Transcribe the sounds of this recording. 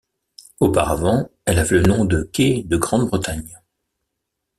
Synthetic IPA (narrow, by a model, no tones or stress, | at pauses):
opaʁavɑ̃ɛlavɛlənɔ̃d̪əkʲed̪əɡʁɑ̃d̪bʁət̪aɲ